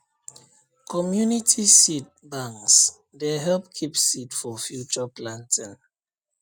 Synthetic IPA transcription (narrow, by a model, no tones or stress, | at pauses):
kʰɔmjunitʰisit̚bãŋks | deɦɛlp̚kʰipsitfɔfjut͡ʃəplãntʰĩn